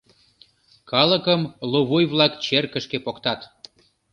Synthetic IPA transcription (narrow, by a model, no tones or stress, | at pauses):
kɑlə̆kəmloβujβlɑkt͡ɕerkə̆ʃkepokt̪ɑt̪